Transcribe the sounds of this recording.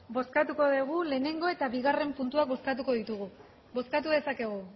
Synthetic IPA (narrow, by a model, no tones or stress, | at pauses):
bo̞skat̪uko̞ðeɣ̞ule̞ːne̞ŋɡo̞e̞t̪aβiɣ̞are̞mpunt̪uak̚bo̞skat̪̬uko̞ðit̪uɣu | bo̞skat̪uðe̞sake̞ɣ̞u